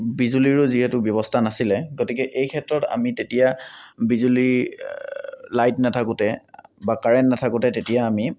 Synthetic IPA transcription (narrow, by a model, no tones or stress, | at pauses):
bizuliɹʊziɦɛtʊbjɔbɔstʰanasilɛɡotikɛʔejkʰɛtɹɔta̰mitetijabizuli | lajtnatʰakʊtɛbakaɹɛntnatʰakʊtɛtetijaːmi